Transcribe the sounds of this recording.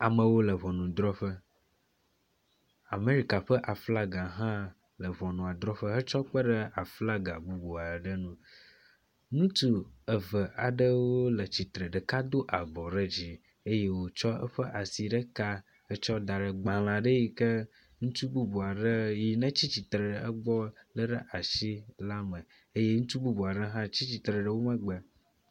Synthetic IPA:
a˨mə̃˨wo˦lə˨βɔ˨nũ˨d̪ɾɔ˦ɸə˦ | a˨me˦ɾi˦ka˨ɸə˦ʔa˨fla˦ɡa˨ɦã˦ | lə˨βɔ˨nũ˨a˨d̪ɾɔ˦ɸə˦ɦə˦t͡ʃɔ˦k͡pə˦ɖə˦a˨fla˦ɡa˨bu˦bu˨a˨ɖə˦nũ˦ | nũ˦t̪u˦ə˨və˨ʔa˨ɖə˦wo˦lə˨t͡ɕi˨t̪ɾə˨ɖə˨ka˦d̪o˦ʔa˨bɔ˨ɖə˦d͡ʑi˦ | e˦je˦wo˨t͡ʃɔ˦ə̰˦ɸə˦ʔa˨si˨ɖə˦ka˦ | hə˦t͡ʃɔ˦d̪a˨ɖə˨ɡ͡bã˨l̃ã˨ɖə˦ji˨kə˦ | ŋũ˦t̪u˦bu˦bu˨a˨ɖə˦ji˨nə̃˦t͡ɕi˦t͡ɕi˨t̪ɾə˨ə˦ɡ͡bɔ˦lə˦ɖə˦ʔa˨ʃi˦la˦mə̃˨ | e˦je˦ŋũ˦t̪u˦bu˦bu˨a˨ɖə˦ɦã˦t͡ɕi˦t͡ɕi˨t̪ɾə˨ɖə˦˨wo˦mə̃˦ɡ͡bə˨

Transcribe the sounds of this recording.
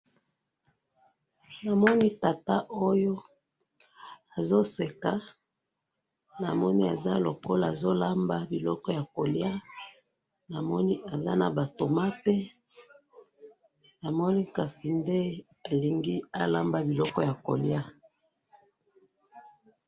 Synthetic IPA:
na˨mɔ˦ni˦ta˨ta˦ʔo˦jo˦ | a˨zo˦se˨ka˦ | na˨mɔ˦ni˦a˨za˦lo˨ko˦la˦˨zo˦la˦mba˦bi˨lɔ˦kɔ˦ja˨ko˨lja˦ | na˨mɔ˦ni˦ʔa˨za̰˦na˨ba˨to˨ma˦tɛ˦ | na˨mɔ˦ni˦ka˨si˨nde˦ | a˨li˨ŋɡi˦a˦la˦mba˦bi˨lɔ˦kɔ˦ja˨ko̰˨lja˦

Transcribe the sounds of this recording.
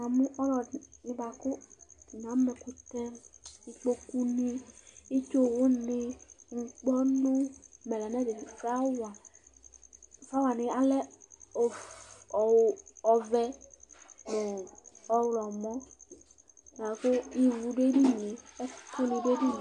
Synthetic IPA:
na˨mũ˦ʔɔ˦lɔ˨nɪ̃˨ba˨kʊ˦i˨nã˨˦mɛ˨ku˧t̪ɛ˦mi˧k͡po˦ku˦ni˦i˦t͡ʃo˦˨wʊ˦nɪ˦ŋ̩˨k͡pɔ˦nũ˦mɛ˨lɛ˨nɛ˦de˨fa˦wa˨ | fa˦wa˨nɪ̃˨a˦lɛ˦˨ | ɔ˨vɛ˧ | mɛ˨ɔ˦wlɔ˨mɔ̃˦˨ | a˨˦kʊ˦i˨wu˧de˦di˦ne˨ɛ˦tʰo˦nĩ˧de˦di˦˨

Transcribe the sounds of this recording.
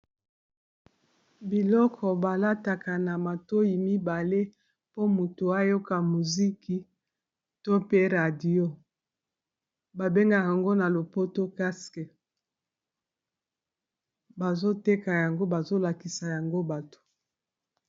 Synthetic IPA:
bi˨lɔ˦kʰɔ˨ba˨la˦ta˨ka˨na˨ma˨to˦ji˨mi˦ba˨le˦ | po˦mu˨to˨a˦jo˦ka˨mu˨zi˦kʰi˨ | to˦pe˦ʁa˨di˦o˦ | ba˨be˦ŋɡa˨ja˨ŋɡo˦na˨lo˨po˦to˦ka˦skɛ˨ | ba˨zo˦te˦ka˨ja˨ŋɡo˦ba˨zo˦la˨ki˨sa˨ja˨ŋɡo˦ba˨to̥˨

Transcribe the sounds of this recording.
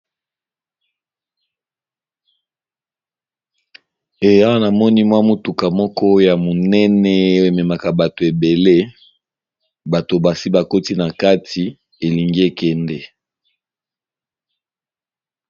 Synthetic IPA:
e˨ja˦wa˦na˨mɔ˦ni˦mwa˦mo˨tu˨ka˨mɔ˦kɔ˦ja˨mo˨nɛ˦nɛ˦o˦e˨mɛ˨ma˨ka˨ba˨to˨e˨be˨le˦ | ba˨to˨ba˨si˦ba˨ko˦ti˦na˨ka˦tʰi˨ | e˨li˨ŋɡi˦e˨kɛ˦ndɛ˦

